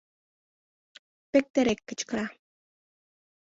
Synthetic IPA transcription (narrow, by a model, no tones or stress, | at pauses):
pek̚t̪eɾekːə̆t͡ɕkɾɑ